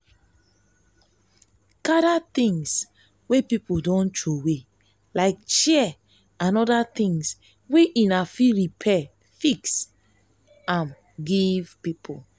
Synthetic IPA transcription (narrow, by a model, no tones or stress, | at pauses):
kaɾat̪ĩŋs | wepipodɔ̃ntowe | laɪk̚ʃɛ | ãnɔdat̪ĩŋs | weʔĩnafiɹipʰɛ | fiks | ãm | ɡiv̥pipʰo